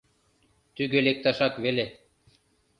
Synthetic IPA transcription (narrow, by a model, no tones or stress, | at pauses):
t̪yɡølek̚t̪ɑʃɑkβele